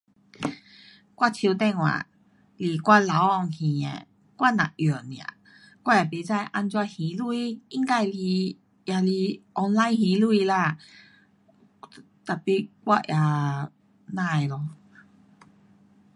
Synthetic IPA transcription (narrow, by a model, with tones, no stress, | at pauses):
kwa˥˧t͡ɕʰi˧t̪ɛ˥˧˨ŋwa̰˨ | li˨˩kwa˦˥˨la˨˦wɔ˧˨ŋhĩ˨˩ḛ˨ | kwa˥˨nã̰˨ʔjɔ˨˩nja̰˨ | kwa˥˨ja˨˩pe˨˦t͡sa˥˧jʔa˥˧nt͡swa˧hĩ˨˦lu˧i˧˦i˧˦ŋka˥˧jli˧ | ja˧li˧ʔɔ˧nla˦jhĩ˧˦lu˧i˧la˧ | t̪a˨˩pi˧kwa˥˧ʔja˨ | nã˧˨e˨lɔ˧